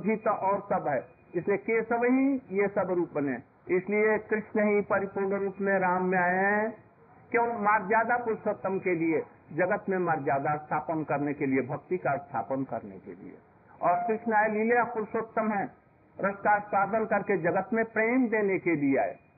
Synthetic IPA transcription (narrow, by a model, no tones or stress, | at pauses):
bʱit̪ʔɔːɾsɐbɦɛː | ɪsliekesəbɦĩjesəbɾuːpbənẽ | ɪsliekɾɪʃnəɦĩpəɾɪpoːɖɾuːpmẽɾaːmːẽaːeɦɦɛ̃ | kjõːmaːɾd͡ʒaːd̪apʊɾʃot̪ːəmkelie | d͡ʒɐɡət̪mẽmaːɾd͡ʒjaːd̪ast̪ʰaːpənkɐɾnekeliebʱɐk̚t̪ikast̪ʰa̰ːpənkɐ̰ɾnḛkḛlḭḛ | ɔːɾkɾɪʃnaːelilejapʊɾʃot̪ːəmɦɛ̃ | ɾəsk̪aːɾspaːd̪ənkɐɾked͡ʒəɡət̪mẽpɾeːmd̪eːnekeliea̰ːḛː